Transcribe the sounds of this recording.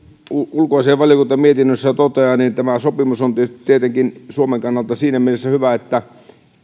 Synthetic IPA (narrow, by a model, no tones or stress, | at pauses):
uulkoɑseːʋʋɑljokunt̪ɑmiet̪inːøsːæt̪ot̪eɑnint̪æmæsopimusont̪t̪iet̪eŋkinsuomeŋkɑnːɑlt̪ɑsiːnæmielesːæhyʋæet̪ːæ